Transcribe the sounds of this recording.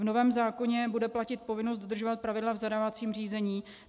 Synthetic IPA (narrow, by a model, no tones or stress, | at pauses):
vnovɛːmzaːko̞ɲɛbudɛplacɪt̪̚po̞vɪnos̬t̪dod̪r̩ʒovat̪̚pɾavɪdlavzadavat͡siːmr̝iːzɛɲiː